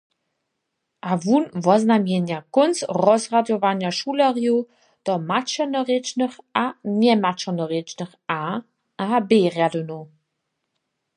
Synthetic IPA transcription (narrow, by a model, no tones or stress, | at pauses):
ʔavuːnvɔznamjenjakʊnsʁɔzʁadjɔvanjaʃuːləʁjo | d̥ɔmat͡ʃənəʁet͡ʃnəχanɛmat͡ʃənəʁet͡ʃnəχa | ʔabeːʁjadəno